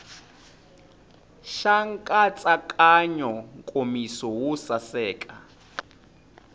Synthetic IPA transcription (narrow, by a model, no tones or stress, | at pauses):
ʃaŋkʼat͡sʼakʼaɲɔŋkʼomisɔwusasɛːkʼa